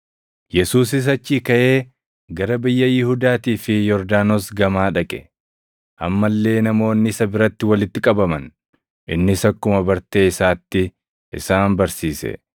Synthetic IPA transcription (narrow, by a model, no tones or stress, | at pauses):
jɛsuːs̬ɪs̬ɐt͡ʃːiːkɐʔe̞ː | ɡɐɾɐbɪjːɐjɪhuːd̪aːt̪iːfɪjɔɾd̪aːnoːsɡɐmaːᶑɐkʼɛ̥ | ʔɐmːɐlːe̞ːnɐmo̞ːnːɪɪsɐbɪɾɐt̪ːɪwɐlɪt̪ːɪkʼɐbɐmɐn | ʔɪnːɪsɐkːʊmɐbɐɾt̪e̞ːɪsaːt̪ːɪ | ʔɪ̰saːnbɐɾsiːsɛ̰